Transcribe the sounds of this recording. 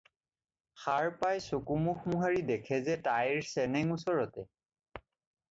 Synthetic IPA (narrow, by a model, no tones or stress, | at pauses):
xaɹpajsokumuxmuɦaɹidɛkʰɛzɛtajɹsɛnɛŋusɔɹɔtɛ